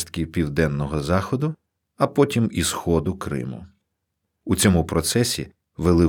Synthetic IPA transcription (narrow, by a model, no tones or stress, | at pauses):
st̪kʲiwpʲiwd̪ɛnːɔɦɔzɑxɔd̪ʊ | ɐpɔtʲimisxɔd̪ʊkɾɪ̰mʊ̰ | ut͡sʲɔmupɾɔt̪sɛsʲḭ | ʋelˠɪ